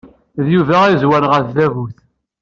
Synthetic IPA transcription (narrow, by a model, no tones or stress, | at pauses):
ðjuvæʁizwænʁəθðævuθ